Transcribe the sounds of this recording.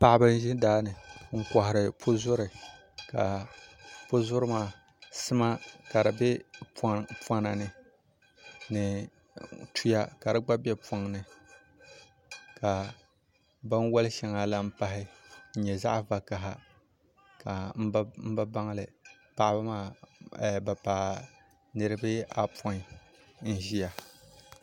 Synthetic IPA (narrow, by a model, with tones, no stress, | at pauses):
pa˨ʔɪ˦bɨ˦n˦ʒɪ˦daː˦nɨ˨ŋ̩˦kɔ˨hɪ˨ɾɨ˨pʰʊ˦zʊ˦ɾɨ˨ | ka˨ | pʊ˦zʊ˦ɾɨ˦maː˦˨ | sɨ˦ma˦ka˨ɾbɛ˦ | pwa˦na˨nɨ˨ | nɨ˨ | tu˦ja˦ka˨ɾɨ˦ɡ͡ba˦bɛ˦pa˨ŋ˨nɨ˨ | ka˨ | ba˦n˦wɔ˦lɨ˦ʃɛ˨ŋa˨la˦m̩˦pa˦ɦɪ˦ɲ̩˦ɲɛ˨za̰˦ʔva˨ka˨ɦa˨ | ka˨m̩˦m̩˦ba˦ba˦ŋ˦lɨ˨ | pa˨ʔba˦maː˦˨ | ba˨pa˨ | nɨ˦ɾɨ˦bɨ˦a̰˨pɔ˦n˨ | n̩˦ʒi˦a˨